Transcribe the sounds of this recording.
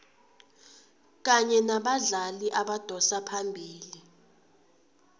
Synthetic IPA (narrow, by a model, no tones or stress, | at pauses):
k̬aɲɛnaɓaɮaliʔaɓad̥ʱɔsapʰambʱiːli